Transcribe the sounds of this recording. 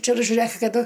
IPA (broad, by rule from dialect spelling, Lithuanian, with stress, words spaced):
ˈt͡ʃʲɛ ɪr ʒʲʊˈrɘk kɐˈdʊ